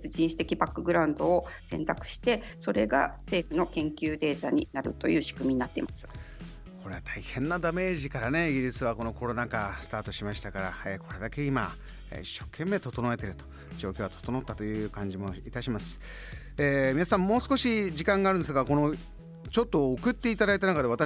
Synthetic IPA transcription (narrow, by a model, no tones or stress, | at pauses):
ɨd͡ʑĩɰ̃ɕi̥t̪e̞kʲibakːɯ̟ɡɯ̟ɾaɯ̟̃nd̪o̞ːsẽ̞̰nt̪akɯ̟̥ɕi̥t̪e̞ | so̞ɾe̞ɡa̰se̞ːɸɯ̟nokẽ̞ŋkʲɨːd̪e̞ːt̪aɲ̟inaɾɯ̟̰t̪o̞̰jɯ̟ːɕi̥kɯ̟mʲiɲ̟inat̪ːeimasɨ̥ | kʰo̞ɾe̞βat̪ʰaihẽ̞nːad̪ame̞ːʑikaɾane̞iɡʲiɾisɨβako̞no̞ko̞ɾo̞nakasɨ̥t̪aːt̪o̞ɕimaɕi̥t̪akaɾaeːkʰo̞ɾe̞d̪ake̞ima̰ | ḭɕːo̞ːkʰẽ̞mːe̞ːt̪o̞t̪o̞noet̪e̞ɾɯ̟t̪o̥ | d͡ʑo̞ːkʲoat̪o̥t̪o̞no̞t̪ːat̪ojɯ̟ːkãɲ̟d͡ʑimo̞it̪aɕimasɨ̥ | eːmʲinasãmːo̞ːsɨ̥koɕid͡ʑikãŋɡaːɾɯ̟nd̪es̬ɡako̞no̞ | t͡ɕo̞t̪ːo̞ːkɯ̟t̪ːe̞it̪ad̪ait̪̬anakad̪e̞β̞at̪a